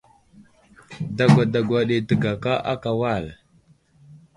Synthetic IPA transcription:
da˦ɡʷa˨da˨ɡʷa˨ɗe˨tə˨ɡa˨ka˦ʔa˦ka˨wa˦˨l

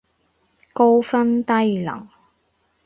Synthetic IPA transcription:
ko˥wfɐ˥nt̪ɐ˥jlɐ̰˨˩ŋ

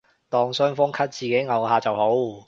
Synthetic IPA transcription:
t̪ɔː˨ŋsœː˥ŋfʊ˥ŋkʰɐ˥t̚t͡siː˨˩ke˨˥jŋɐ˨˩whaː˧t͡sɐ˨who˨˥w

